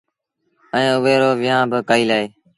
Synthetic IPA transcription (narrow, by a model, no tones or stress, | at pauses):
əẽːʊʋeːɾoːʋɪːãːbəkaːiːlaːeː